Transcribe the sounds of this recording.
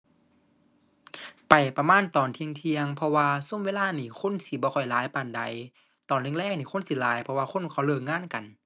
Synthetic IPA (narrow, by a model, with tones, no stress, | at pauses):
pa˨˩jpa˧maː˧˥˨nt̪ɔː˨˩nt̪ʰi˧əŋt̪ʰi˧əŋpʰɔ˧waː˧so˧˥˨mweː˧˥˨laː˧˥˨niː˧˩kʰo˧˥˨nsi˧˦bɔː˧kʰɔ˨˩jlaː˨˦jpaː˧˩nda˨˦j | t̪ɔː˨˩˨nlʰiː˧˥˨ŋlɛː˧˩k̚niː˧˨xo˧˥˨nsi˧˦laː˨˦jpʰɔ˧waː˧kʰo˧˥˨nkʰa˧˩wlɤː˧˩ŋŋaː˧˥˨nka˨˩n